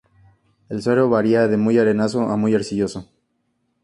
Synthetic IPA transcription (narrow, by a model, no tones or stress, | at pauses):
elsweɾoβaɾiaðemujaɾenasoʔamujeɾsiʝoso